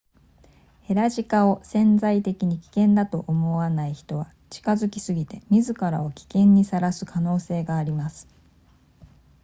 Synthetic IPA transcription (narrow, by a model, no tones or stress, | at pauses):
he̞ɾaʑikao̞sẽ̞nzait̪e̞kʲiɲ̟ikʲi̥kẽ̞nd̪at̪o̞ʔomo̞βanaiçi̥t̪o̞βa | t͡ɕi̥kazɨkʲi̥sɨɡʲit̪e̞mʲizɨkaɾao̞kʲi̥kẽ̞ɲ̟ːisaɾasɨ̥kʰano̞ːse̞ːɡaːɾʲimasɨ̥